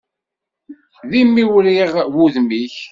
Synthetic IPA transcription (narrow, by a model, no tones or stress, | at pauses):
ðimːiwɾiʁwuðmiç